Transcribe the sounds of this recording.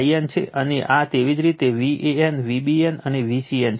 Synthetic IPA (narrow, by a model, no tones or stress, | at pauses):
ient͡ʃʰḛʔəneʔat̪eʋid͡ʒɾit̪eʋiʔeenʋibienəneʋisiɛn